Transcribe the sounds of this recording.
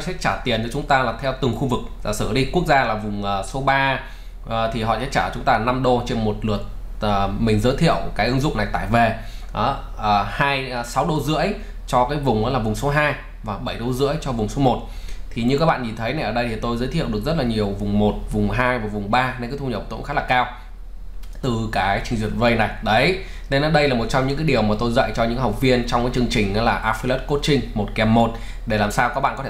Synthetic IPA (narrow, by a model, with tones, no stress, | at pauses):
jsɛ̰˧˥t͡ɕaː˧˩t̪i˨˩ənt͡ɕɔ˨˦t͡ɕʊ˨˦ŋ͡mt̪aː˧laː˨˩t̪ʰɛ˧wt̪ɨ˨˩ŋxu˧vɨ˨˩k̚aː˨˩sɨ̰˧˩ɗi˧ku˦˥ək̚zaː˧laː˨˩vʊ˨˩ŋ͡mʔəː˨˩so˨˦ɓaː˧˨˩ | t̪ʰi˨˩ɦɔ̰˧˨sɛ̰˧˥t͡ɕaː˧˩t͡ɕʊ˨˦ŋ͡mt̪aː˧na˧mɗo˧t͡ɕe˧nmo˨˩t̚lɨ˨˩ət̚ə˨˩mï˨˩ŋzəː˨˦jt̪ʰḭ˧˨əwkaː˨˦jʔɨ˨˦ŋzʊ̰˧˨ŋ͡mna˨˩jt̪a̰ː˧˩˨jve˨˩ʔəː˨˦ | ʔːhaː˧jsa˨˦wɗo˧zɨ̰˧˥əj | t͡ɕɔ˧kaː˨˦jvʊ˨˩ŋ͡mʔɔ̰ː˨˦laː˨˩vʊ˨˩ŋ͡mso˨˦ɦaː˧j | vaː˨˩ɓə˧˩jɗo˧zɨ̰˧˥əjt͡ɕɔ˧vʊ˨˩ŋ͡mso˨˦mo˨˩t̚t̪ʰi˨˩ɲɨ˧ka˦˥k̚ɓa̰ː˧˨nɲi˨˩t̪ʰə˨˦jna˨˩jʔəː˧˩ɗə˧jt̪ʰi˨˩t̪o˧jzəː˨˦t̪ʰḭ˧˨əwɗɨ˨˩ək̚zə˦˥t̚laː˨˩ɲi˨˩əwvʊ˨˩ŋ͡mmo˨˩t̚vʊ˨˩ŋ͡mɦaː˧jvaː˨˩vʊ˨˩ŋ͡mɓaː˧n˧nkaː˨˦t̪ʰu˧ɲə˨˩p̚t̪o̰˧˨nxaː˦˥t̚laː˨˩kaː˧w | t̪ɨ˨˩kaː˨˦t͡ɕï˧ŋzwi˨˩ənvə˧jna˨˩jɗə˨˦j | ne˧nʔa˨˦ɗə˧jlaː˨˩mo˨˩t̚t͡ɕɔ˧ŋ͡mɲɨ̰˧˥kaː˨˦ɗi˨˩əwmaː˨˩t̪o˧jzə̰˧˨jt͡ɕɔ˧ɲɨ̰˧˥ŋa˦ɦa˨˩wk͡p̚vi˧ənt͡ɕɔ˧ŋ͡mkaː˨˦jt͡ɕɨ˧ə˧ŋt͡ɕï˨˩ŋ̟ʔa˨˦laː˨˩ʔaː˧fi˧lə˦˥t̚ko˦˥t̚t͡ɕï˧ŋ̟mo˨˩t̚kɛ˨˧˩mːo˨˩t̚ | ɗe˧˩laː˨˩msaː˧wkaː˨˦˥ɓa̰˧˨kɔ˨˦t̪ʰe˧